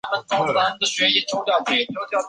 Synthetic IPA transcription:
mə˨nt͡s̪ʊ˥˩˨ə˧˥d̪ə˨ɕɥɛ˧˥i˥˩ʈ͡ʂʰʊ˥ʊljɑ˨˩ʊt͡ɕʰe˥˩˥njo˧˥ʊt̪jɑ˨˩

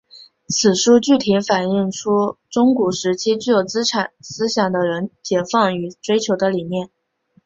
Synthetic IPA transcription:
t͡s̩ʰ˨˩ʂu˥t͡ɕy˥˩t̪ʰi˧˥nfa˨˩ni˥˩ŋʈ͡ʂʰu˥ʈ͡ʂʊ˥ŋku˨˩ʂɻ̩˧˥t͡ɕʰi˥t͡ɕy˥˩jo˨˩ʊt͡sɹ̩˥ʈ͡ʂʰa˨˩nsɹ̩˥ɕjɑ˨˩ŋd̪ə˦ɻə˧˥nt͡ɕjɛ˨˩fɑ˥˩ŋy˨˩ʈ͡ʂwe˥ɪt͡ɕʰjo˧˥ʊd̪ə˧li˨˩mjɛ˥˩n

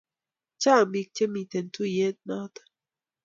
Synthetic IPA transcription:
t͡ʃa˦˨mbi˨k̚t͡ʃe˦mi˨t̪e˨nt̪u˦je˦t̪̚na˦t̪ḁ˨

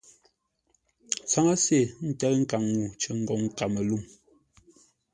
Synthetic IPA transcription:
t͡sa˨˦ŋa˦se˦˨n̩˨tɛ˦kŋ̩˦ka˨ŋːu˨t͡ʃə˨ŋ̩˦ɡɔ˨ŋ̩˦˨ka˨me˨lu˦˨m

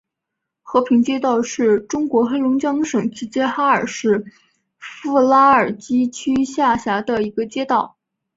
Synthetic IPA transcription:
xɤ˧˥pʰi˧˥ŋt͡ɕjɛ˥t̪ɑ˥˧ʊʂɻ̩˥˩ʈ͡ʂʊ˥ŋkwɔ˧˥xe˥ɪlʊ˧˥ŋt͡ɕjɑ˥ŋʂɤ˨˩ŋʈ͡ʂi˧˥t͡ɕjɛ˥xa˥ə˞˨˩ʂɻ̩˥˧ | fu˥˧la˥ə˞˨˩t͡ɕi˥t͡ɕʰy˥ɕja˥˩ɕja˧˥d̪ə˧i˧˥ɡə˧t͡ɕjɛ˥t̪ɑ˥˩ʊ

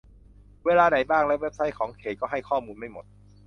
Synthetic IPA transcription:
weː˧laː˧na˨˩˦jbaː˥˩ŋlɛ˦˥we˦˥p̚sa˧˦˥jkʰɔː˩˦ŋkʰeː˨˩t̪̚kɔː˥˩ɦa˥˩jkʰɔː˥˩muː˧nma˥˩jmo˨˩t̪̚

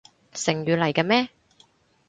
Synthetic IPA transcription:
sɪ˨˩ŋjyː˨lɐ˨˩jka˧mɛː˥

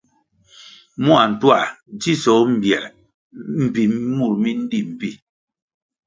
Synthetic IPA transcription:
mu˦a˨n̩˨twa˦˨d͡ʒi˦sɔ˨˦m̩˨bjɛ˨ʔ | m̩˨pi˨m˦mu˦˨ɾmi˦n̩˦di˦m̩˨pi˦

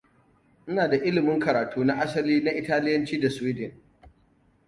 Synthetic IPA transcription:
ʔɪ˦naː˨da˨ʔɪ˦lɪ˨mɪ˦ŋkɐ˨ɾaː˨tʰuː˦na˦ʔa˦sɐ˨liː˦na˦ʔɪ˨taː˦lɪ˦jɐ˦nt͡ʃiː˦da˨sʊ˨wiː˦dɪ˨n

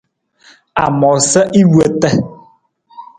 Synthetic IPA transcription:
a̰˨mɔ˨sɛ˦ʔi˦wu˦ə˦tɛ˦

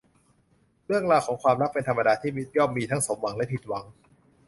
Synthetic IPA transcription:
ɾɯ˥˩əŋlaː˧wkʰɔː˩˦ŋkʰwaː˧mɾa˦˥k̚pe˧nt̪ʰa˧mːa˧daː˧t̪ʰiː˥˩mi˦˥˩t̪̚jɔː˥˩mːiː˧t̪ʰa˦˥ŋso˨˩˦mwa˨˩˦ŋlɛ˦˥pʰi˨˩t̪̚wa˩˦ŋ

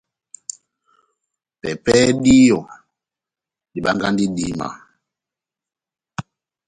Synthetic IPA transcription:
pɛ˨pɛ˦di˦jɔ˨ | di˨ɓa˦ŋɡa˦ndi˦di˦ma̰˨

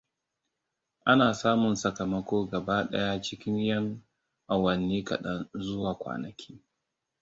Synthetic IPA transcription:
ʔa˦naː˨saː˦mʊ˨nsɐ˨kɐ˨mɐ˦kʷoː˦ɡɐ˨baː˦ɗɐ̰˦ja˦t͡ʃɪ˦kʲɪ˦ɲjɐ˦ŋ | ʔa˨wɐ˨nːeː˦kɐ̰˨ɗɐ˦nzʊ˦waː˨kʷa̰ː˨nɐ˨kʲʰiː˦

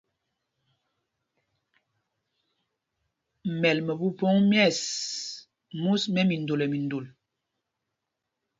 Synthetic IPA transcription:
mɛ˨lmə˨bu˦pɔ˦ŋmjɛ˦˨s | mu˦smɛ˦mi˨ndo˨lɛ˨mi˨ndo˨l

